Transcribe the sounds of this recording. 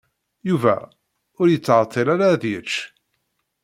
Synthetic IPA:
juvæ̰ | ʊɾjət͡sːʕət̪ʰˤːelaɾaðjət͡ʃː

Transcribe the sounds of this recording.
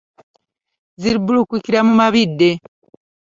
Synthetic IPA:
ziɾibulukwikiɾamumaβidːe

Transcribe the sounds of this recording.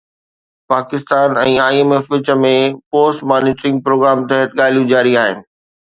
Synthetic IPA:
paːkɪst̪aːnɛ̃ːaːiemeːfʋɪt͡ɕə̆mẽpoːsʈmaːnɪːʈɾɪ̃ŋɡ̚pɾoːɡɾaːmt̪ɐɦət̪ɠaːl̤ijũd͡ʑaːɾiaːɦɪnɪ̆

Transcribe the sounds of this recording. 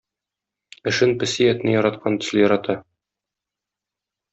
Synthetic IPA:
ɘ̆ʃɘnpɘ̆sijɒt̪nɘjɒɾɑt̪̚qʰɑnt̪ɵ̆slɘjɒɾɑt̪ɑ

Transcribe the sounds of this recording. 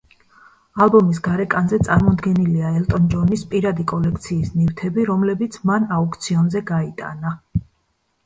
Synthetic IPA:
alˠbɔmis̬ɡaɾɛkʼanzɛt̪sʼaɾmɔd̪ɡɛniliaɛlt̪ʼɔnd͡ʒɔnispʼiɾad̪ikʼɔlɛkʰt̪sʰiːsnift̪ʰɛbiɾɔmlɛbit̪sʰmanauk̚ʰt̪sʰiɔnzɛɡait̪ʼa̰na

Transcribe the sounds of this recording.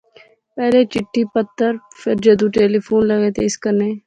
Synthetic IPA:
pɛːlet͡ʃɪʈʰːiːpət̪ːəɾpʰɪɾd͡ʒəd̪ũːʈeːliːpʰoːnləɡeːt̪ʰeːɪskəneː

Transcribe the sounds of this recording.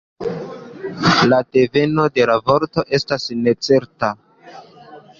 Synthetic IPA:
lade̞ve̞no̞de̞lavo̞ɾto̞ʔe̞stasne̞t͡se̞ɾta

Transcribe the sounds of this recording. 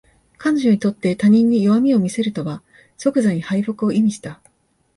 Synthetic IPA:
kanoʑo̞ɲ̟it̪o̞t̪ːe̞t̪aɲ̟ĩɲ̟ːioβamʲio̞mʲise̞ɾɯ̟t̪o̞βa | so̞kɯ̟zaɲ̟ihaiɸokɯ̟o̞imʲiɕi̥t̪a

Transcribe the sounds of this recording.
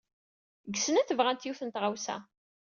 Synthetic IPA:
ɡəsənæθəvʁænt̪juθənt̪ʁawsæ̰

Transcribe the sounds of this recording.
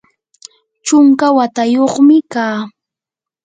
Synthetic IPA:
t͡ʃʊŋkawat̪ajoχmɪkaː

